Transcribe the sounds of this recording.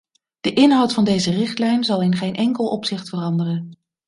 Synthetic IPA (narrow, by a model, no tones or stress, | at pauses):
d̥əʔɪnɦɑwtfɑndejzərɪχtlɛjnzɑlˠɪnχejnʔɛŋkəlˠɔpsɪχtfərɑndərən